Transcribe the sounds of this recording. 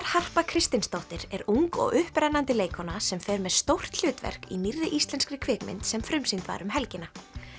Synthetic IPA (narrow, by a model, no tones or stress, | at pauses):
ɾ̥har̥pakʰɾɪst̪ɪnst̪owht̪ɪɾ̥ɛɾuŋkɔ̰ɣʏhpɾajnːant̪ɪleːjkʰɔnasɛmfɛːɾmɛðst̪owr̥t̪l̥ʏːt̪vɛ̰r̥kinirːɪʔist̪lɛnskɾɪkʰvɪːkmɪ̰nt̪sɛmfɾʏmsint̪va̰ɾʏmɦɛlcɪna